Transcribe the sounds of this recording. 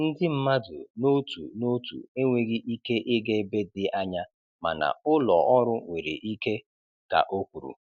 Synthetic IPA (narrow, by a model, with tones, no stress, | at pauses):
n̩˦dɪ˦m̩˦ma˦dʊ̰˨no˦tṵ˨no˦tṵ˨e˦ŋʷe˨ɣi˦ʔi˦ke˦ʔɪ˦ɡe˦be˦dɪ˨ʔa˦ɲa˦ | ma̰˨na̰˨ʊ˦lɔ˨ʔɔ˦ɾʊ˦ŋʷe˨ɾḛ˨ʔi˦ke˦ | ka̰˨ʔo˦kʷu˨ɾṵ˨